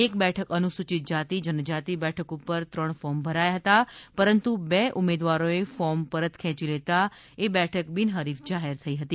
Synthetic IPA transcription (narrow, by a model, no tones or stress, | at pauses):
ek̚bɛʈʰəkənusut͡ʃit̪̚d͡ʒat̪id͡ʒənəd͡ʒat̪ibɛʈʰəkupːəɾt̪ɾəɳfɔmbʱəɾajaɦət̪apəɾənt̪ubeʔumed̪ʋaɾoefɔmpəɾət̪kʰɛ̃t͡ʃilet̪a | ebɛʈʰəkbinɦəɾifd͡ʒaɦeɾt̪ʰəiɦət̪i